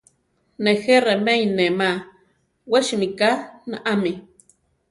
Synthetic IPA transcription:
nexeremejnema | weʃimikanaʔami

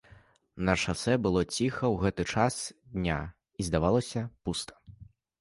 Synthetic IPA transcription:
nɐʂasɛbɨlˠɔt͡sʲixɐwɣɛt̪ɨt͡ʂasd̪ʲnʲa | izd̪avalˠɐsʲɐpust̪ʰɐ̥

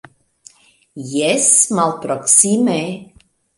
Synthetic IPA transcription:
jɛsmalˠpɾɔksimɛ

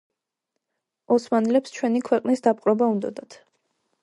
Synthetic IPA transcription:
ɔsmanɛlɛpst͡ʃʰwɛnikʰwɛqʼnisd̪apʼqʼɾɔbaund̪ɔ̰d̪at̪ʰ

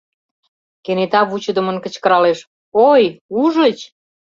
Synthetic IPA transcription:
kenet̪ɑβut͡ɕə̆d̪əmə̆nkə̆t͡ɕkə̆ɾɑleʃ | ojuʒət͡ɕ

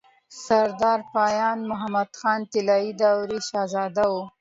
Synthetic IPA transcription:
saɾd̪ɑɾpɑjɑnmʊɦamad̪xɑnt̪ɪlɑid̪awɾiʃɑzɑd̪awu

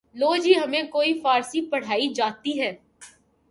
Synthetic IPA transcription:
loːd͡ʒiːɦɐmẽkoːifaːɾsipɐɽ̤aːid͡ʒaːt̪iɦɛː

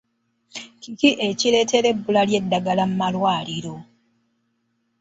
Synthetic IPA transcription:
kikiʔeciɾe̞ːte̞ɾe̞bːulalje̞dːaɡalammalwaːliɾo̞

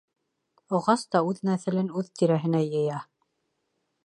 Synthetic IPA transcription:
ŏʁɑst̪ɑʉðnæθɘ̆lɘnʉðt̪iɾæɦɘ̆næjɤ̆jɑ

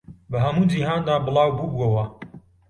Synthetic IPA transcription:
bɐɦɐmuːd͡ʒiɦaːnd̪aːbɨlˠɑːwbubɐwɐ

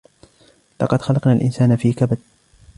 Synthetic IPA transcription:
lɑ̰qɑd̪xɑlɑqnaːlʔɪ̰nsaːnafiːkabad̪̚

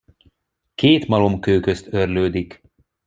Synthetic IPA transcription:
keːt̪mɒlo̞mkøːkø̞st̪ø̞rløːd̪ik

